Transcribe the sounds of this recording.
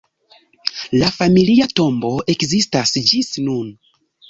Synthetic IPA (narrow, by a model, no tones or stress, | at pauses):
lafamiliato̞mbo̞e̞kzistasd͡ʒisnun